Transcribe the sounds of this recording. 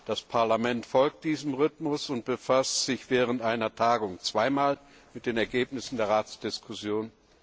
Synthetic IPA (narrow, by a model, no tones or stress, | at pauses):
d̥aspʰaɐlamɛntfɔlk̚t̚d̥iːzəmʁʏtmʊsʊnt̚b̥əfastz̥ɪçv̥ɛːʁəntʔaɪnɐtʰaːɡʊŋt͡sv̥aɪmaːl | mɪt̚d̥eːnɛɐɡeːpnɪsn̩deːɐʁaːt͡sd̥ɪskʰʊsjoːn